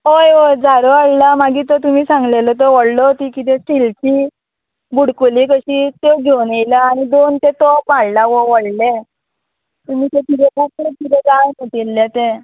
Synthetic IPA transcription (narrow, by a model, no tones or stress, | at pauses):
ɦojod͡zaɾoaɽlamaɡiːt̪ɔt̪um̤iːsãŋɡlelət̪̬əʋɔɽlot̪ikit̪ɛ̃silti | buɽkulikəɕiːt̪eɡʱewnejlaːɽ̃id̪ont̪et̪ɔpaɽlaʋoʋəɽle | t̪um̤iːt̪ẽt̪it̪ɛpʰaklek̪it̪ɛd͡zajmoʈ̪ilːet̪ẽ